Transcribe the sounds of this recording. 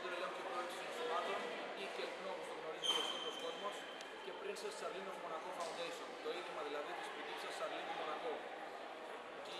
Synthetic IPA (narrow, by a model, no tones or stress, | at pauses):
t̪uɾelɐnt̪iɐksi̥st̪u̥somɐt̪on | iθelp̪nomust̪oɣno̞ɾizmet̪osioskozmos | ce̞pɾinsɐssɐɾlinozmo̞nɐxofɐund̪ejsont̪o̞iðimɐðilɐðit̪i̥sput̪ipsɐsːɐɾlinomo̞nɐxo̞